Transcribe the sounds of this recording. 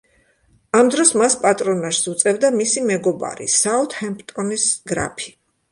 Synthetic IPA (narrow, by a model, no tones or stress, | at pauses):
amd̪ɾɔsmaspʼat̪ʼɾɔnaʃsut̪sʼɛvd̪amisimɛɡɔba̰ɾḭsaut̪ʰhɛmpʼt̪ʼɔnisɡɾa̰pʰi̥